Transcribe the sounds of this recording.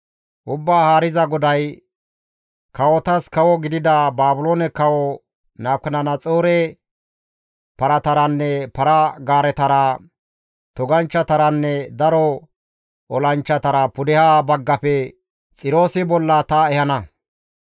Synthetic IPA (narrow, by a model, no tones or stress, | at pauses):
ʔʊbːaːhaːɾɪzɐɡɔd̪ɐj | kɐwɔt̪ɐskɐwɔɡɪd̪ɪd̪ɐbaːbʊloːnɛkɐwɔ | naːkːɐnɐnɐt͡sʼoːɾɛ | pɐɾɐt̪ɐɾɐnːɛpɐɾɐɡaːɾɛt̪ɐɾɐ | t̪ɔɡɐnt͡ʃːɐt̪ɐɾɐnːɛd̪ɐɾɔ | ɔlɐnt͡ʃːɐt̪ɐɾɐpʊd̪ɪhaːbɐɡːɐpɛ | t͡sʼɪɾo̞ːsɪbɔlːɐt̪ɐɛhɐnɐ